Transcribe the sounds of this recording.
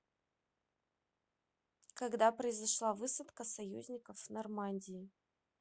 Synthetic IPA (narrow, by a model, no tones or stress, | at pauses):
kɐɡd̪apɾəɪzɐʂlˠavɨsət̪kəsɐjṵzʲnʲɪkəfnɐrmanʲdʲɪɪ